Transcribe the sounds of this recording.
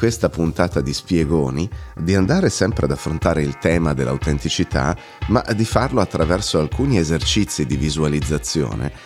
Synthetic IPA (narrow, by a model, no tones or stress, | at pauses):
kwest̪apunt̪aːt̪ad̪ispjeɡoːnid̪iand̪aːɾesɛmpɾʔead̪afːɾont̪aːɾeilt̪ɛːmad̪ḛlʔa̰wt̪ent̪it͡ʃit̪ʰa̰ | ma̰d̪ifarloat̪ːɾavɛrsoalkuːniezert͡ʃit̪sːid̪ivizualid̪zːat̪sːjo̰ːnḛ